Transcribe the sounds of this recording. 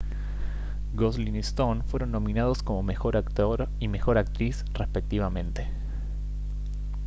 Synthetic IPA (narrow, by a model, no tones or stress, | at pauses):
ɡoslinist̪onfwe̞ɾo̞nːo̞mĩnað̞o̞sko̞mo̞mexo̞ɾakt̪oɾ | ime̞xo̞ɾak̚t̪ɾis | respe̞k̚t̪iβamẽ̞nt̪e̞̥